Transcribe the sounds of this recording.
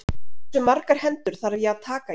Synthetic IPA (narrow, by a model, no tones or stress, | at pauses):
sʏmaɾkaɾ̥hɛnt̪ʏɾ̥θaɾajɛaðt̪ʰaːka